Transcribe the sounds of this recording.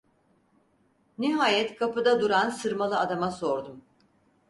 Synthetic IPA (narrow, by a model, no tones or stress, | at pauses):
niɦaːjɛt̪kʰapɯd̪ad̪uɾansɯɾmalˠɯad̪amaso̞ɾd̪um